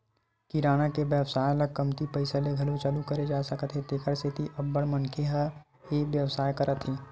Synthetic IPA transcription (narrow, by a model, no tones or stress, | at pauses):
kiɾaːnakeʋjəʋsaːjləɡ̚kəmt̪ipɐɪsəleɡʱɐlut͡ʃɐlukəɾed͡ʒaːsəkət̪ɦet̪eːkʰəɾset̪iʔɐbːəɽmənkʰeɦa | eʋjəʋsaːjkɐɾət̪ʰɦeː